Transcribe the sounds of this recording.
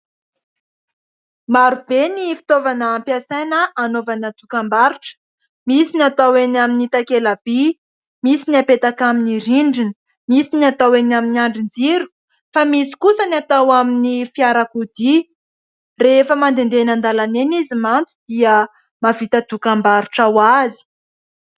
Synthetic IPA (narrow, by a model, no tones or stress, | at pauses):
maɾubenifi̥t̪ovanəːmpjasajnəʔanovanad̪̥ukambaɾuʈ͡ʂə̥ | misinat̪awenaminit̪akelab̥i | misiniapet̪akaminiɾiɳɖ͡ʐinə̥ | misiniat̪awenaminiaɳɖ͡ʐind͡ziɾu̥ | famisi̥kusənat̪awaminifiaɾakud̪i | refəmand̪end̪enand̪alanenizimant͡sid̪̥iə | mavit̪əd̪̥ukambaɾuʈ͡ʂawazi̥